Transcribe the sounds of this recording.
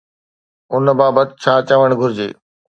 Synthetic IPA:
ʊnbaːbət̪̚t͡ɕʰaːt͡ɕəʋəɽ̃ɡʱʊɾɪd͡ʑḛː

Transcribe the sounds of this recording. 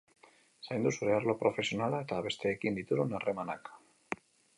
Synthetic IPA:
sajnd̪usuɾeaɾlopɾofe̞sjonalaet̪aβest̪ekind̪it̪uɾonaremana̰kḁ

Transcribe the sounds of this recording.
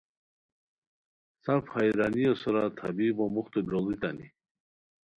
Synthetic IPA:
saɾfhajɾaniɔsɔɾat̪ʰa̰bibɔmuχt̪ɔbɾɔlˠit̪ani

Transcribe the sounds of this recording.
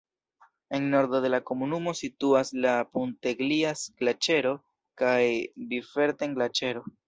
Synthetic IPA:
e̞nno̞ɾdode̞lako̞munumo̞situaslapunte̞ɡliasɡ̥lat͡ʃe̞ɾo̞ | kajbife̞ɾteŋɡlat͡ʃe̞ɾo̞

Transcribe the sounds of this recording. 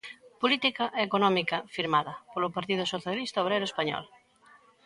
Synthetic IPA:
polit̪ikɐʔekonɔmikɐfiɾmaðɐpolʊpaɾt̪iðʊsoθjalist̪ɐoβɾejɾʊoespaɲɔ̰l

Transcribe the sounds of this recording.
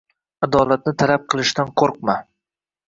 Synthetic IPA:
ad̪ɒlˠat̪̚nɪt̪ʰalap̚qʰɨlˠɪʃt̪anqʰoɾq̚ma

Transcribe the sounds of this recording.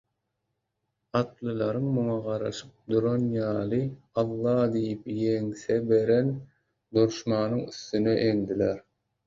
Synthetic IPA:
ɑt̪lˠɯlˠɑɾɯŋmuŋɑʁɑɾɑ̰ʃɯp̚d̪uɾonjɑːlˠɯ | ɑlˠːɑːd̪ijipjeŋsebe̞ɾen | d̪uɾʃmɑːnɯŋyθːyneʔend̪ileɾ

